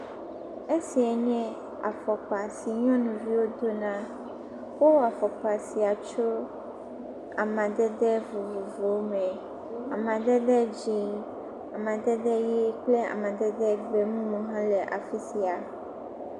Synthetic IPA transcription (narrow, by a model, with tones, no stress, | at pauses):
e˦si˨ɛ˨ɲɛ̃˦ | a̰˨fɔ˨k͡pa˨si˨ɲɔ̃˦nũ˨vi˦wo˦d̪o˦nã˦ | wo˦a˨fɔ˨k͡pa˨si˨a˨t͡ʃo˦ | a˨mã˨d̪ɛ˦d̪ɛ˦vo˨vo˨vo˨˦mɛ̃˨ | a˨mã˨d̪ɛ˦d̪ɛ˦d͡ʑi˨ | a˨mã˨d̪ɛ˦d̪ɛ˦jɛ˦k͡ple˦a̰˨mã˨d̪ɛ˦d̪ɛ˦ɡ͡bɛ˨mũ˦mũ˨ɦã˦lɛ˨ʔa̰˨fi˦si˨a˨